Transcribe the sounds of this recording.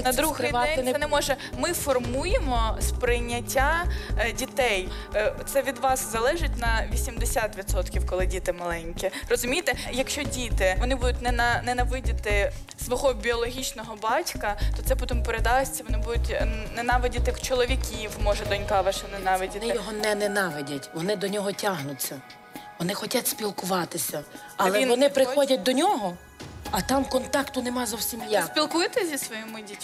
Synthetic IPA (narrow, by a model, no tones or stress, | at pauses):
nɐd̪ɾuɣɛj̪ɛnɛmɔʒɛmɪfɔrmujemɔspɾɪjnʲːɐtʲːadʲit̪ɛj | t̪sɛʋʲid̪ʋɑszɐlˠɛʒɪtʲnɐʋʲisʲimd̪esʲat̪ʋʲid̪sɔt̪kʲiwkɔlˠɪdʲit̪ɪmɐlˠɛnʲkʲirɔzʊmʲijt̪ɛjɐkʃt͡ʃɔdʲit̪ɪʋɔnɪbud̪ʊtʲnɛnɐnɛnɐʋɪdʲɪt̪ɪ | sʋɔɦɔbʲiɔlˠɔɦʲit͡ʃnɔɦɔbɑtʲkɐt̪ɔt̪sɛpɔt̪ɪmʊpeɾed̪ɑsʲt͡sʲɐʋɔnɪbud̪ʊtʲnɛnɑʋɪdʲɐt̪t͡ʃɔlˠɔʋʲikʲiwmɔʒɛd̪ɔnʲkɑʋɑʃɛnɛnɑʋɪdʲɐt̪ɪj̪jɔɦɔnɛnɛnɑʋɪdʲɐtʲʋɔnɪd̪ɔnʲɔɦɔtʲaɦnʊt͡sʲːɐ | ʋɔnɪxɔtʲatʲsʲpʲilˠkʊʋɑt̪ɪsʲɐ | ɐɛinʋɔnɪpɾɪxɔdʲɐt̚ʲd̪ɔnʲɔɦɔ | ɐt̪ɑmkɔnt̪ɑkt̪ʊnɛmɑzɔwsʲimjaspʲilˠkuɪt̪ɪzʲisʋɔjimʊdʲitʲ